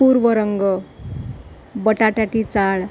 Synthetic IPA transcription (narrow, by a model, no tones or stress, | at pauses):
puɾʋʌɾʌŋɡʌ | bʌʈaʈaʈit͡saɭ